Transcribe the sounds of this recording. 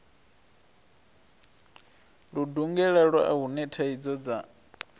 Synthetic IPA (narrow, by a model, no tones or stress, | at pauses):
ɺuduŋɡɛɺaɺwa̰ʔaɦunɛtʰaid͡zɔd͡za